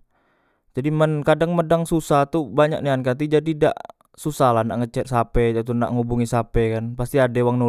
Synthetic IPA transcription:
d͡ʒadimənkadaŋmədaŋsusat̪ubaɲa̰k̚niankat̪̬id͡ʒadida̰ʔ | susaɦlahna̰ʔŋət͡ʃɛt̪̚sapɛat̪una̰ʔŋubuŋisapɛkanpast̪iadɛwaŋno

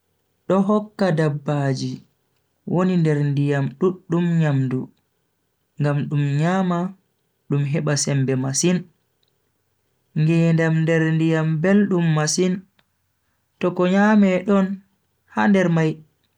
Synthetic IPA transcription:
ɗɔɦɔkːadabːaːd͡ʒi | wʔonindɛɾndijamɗuɗːumɲamdu | ŋɡamɗumɲaːma | ɗumɦɛɓasɛmbɛmasin | ŋɡɛndamndɛɾndijambelɗumːasin | tɔkɔɲaːmɛɗɔn | handɛɾmaj

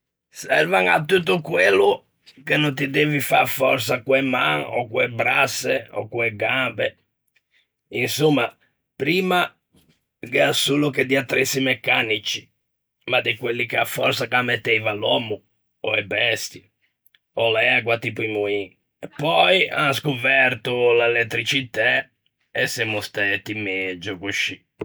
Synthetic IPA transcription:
sɛ̰ɾvaŋa̰t̪ːut̪̬ːukwelːu | kenont̪̬id̪ɛvifa̰ɾfɔɾsakwɛmːaŋɔ̰kwɛbɾasːeɔ̰kwɛɡambɛ | insumːa | pɾiːma | ɡɛasuːluked̪iat̪ːɾesimɛkːanit͡ʃi̥ | mad̪ikwelːikeafːɔrsakamːɛt̪ːɛjvalwɔmu | ɔ̰ɛbɛst̪i | ɔlaaɡwat̪ipimui | ɛpːɔja̰nskupɛrt̪ulaɛlɛt̪ːɾit͡ʃit̪ɛ | ɛsːɛmust̪ɛt̪ːimɛd͡ʒukuʃi

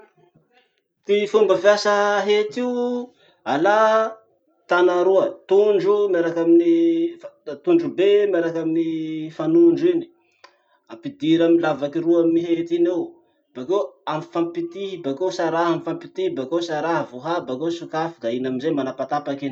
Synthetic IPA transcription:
t̪ifumbəfjasəɦet̪iu | ala | t̪anaɾuət̪uɳɖ͡ʐumeɾakaminift̪uɳɖ͡ʐubemaɾakaminifanuɳɖ͡ʐini̥ | apid̪iɾamilavakiɾuamniɦet̪inew | b̥akewanifampit̪ibakewsaɾaɦamifampit̪ibakewsaɾaɦəvoɦabakewsukafi̥d̪ainaminzemanapat̪apakin

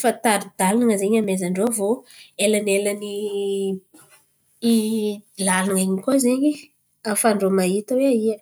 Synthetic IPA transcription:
fant̪aɾid̪̥alanaŋəzeɲamezaɳɖ͡ʐovoelanelani | lalnaŋeɲikoziɲi | afaɳɖ͡ʐomait̪əweaiə

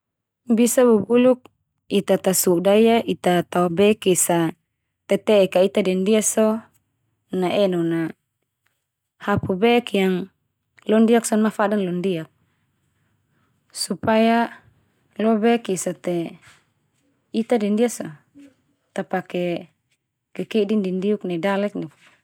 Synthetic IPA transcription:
bisabubuluk̚ | it̪at̪asudajaʔit̪at̪aubɛkisa | t̪ɛt̪ɛkait̪adɛndiaso | naʔɛnona | hapubɛkjaŋ | lɔndiaksɔnmafadanlɔndiak̚ | supaja | lɔbɛkisat̪ɛ | it̪adɛndiasɔ | t̪apakɛ | kɛkidindindiuk̚nɛdalɛk̚ni

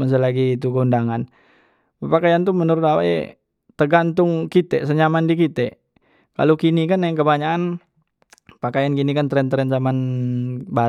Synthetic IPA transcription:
məs̬əlaɡiːt̪̬ukəundaŋan | əpakajant̪umənuɾʊt̪awa̰ʔɛ̰ | t̪əɡant̪ʊŋkit̪ɛsəɲamandikit̪ɛ | ka̰lokinikanːaŋkəbaɲaan | pakajankinikant̪ɾɛnt̪ɾɛnzaman | ba

